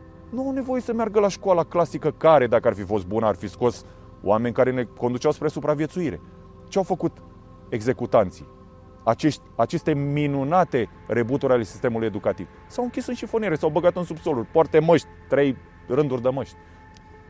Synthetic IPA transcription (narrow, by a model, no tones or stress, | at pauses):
nuawne̞vo̞jesəmearɡəlaʃkoalaklasikəkaɾe̞d̪akəarfifo̞st̪̚bunəarfisko̞s | w̰ame̞nʲkaɾe̞ne̞ko̞nd̪ut͡ʃawspɾesupɾavie̞t̪suiɾe̞̰ | t͡ʃeawfəkut̪ | e̞ɡze̞kut̪ant̪si | at͡ʃe̞ʃt̪ʲat͡ʃe̞st̪e̞minunat̪e̞ | re̞but̪uɾʲale̞si̥st̪e̞muluje̞d̪ukat̪iv | sawɨŋkʲisɨnʃifonieɾe̞sawbəɡat̪ɨnsubso̞lurʲpoart̪e̞məʃt̪ʲt̪ɾe̞j | rɨnd̪urʲd̪əməʃt̪ʲ